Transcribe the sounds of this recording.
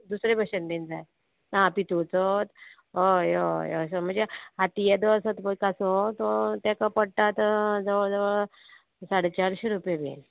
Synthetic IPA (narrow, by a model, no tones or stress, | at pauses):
d̪usɾebʱəɕəndẽnd͡zaj | naːpit̪ot͡sɔt̪ | ɦojojɔ̰səm̤əɳd͡zeaʈ̪ijɛd̪ɔsət̪məkasɔ̃t̪ɔt̪ɛ̃kapəɽʈ̪at̪d͡zəʋəɭd͡zəʋəɭ | saɽet͡ɕaɽɕeɾupjabḛn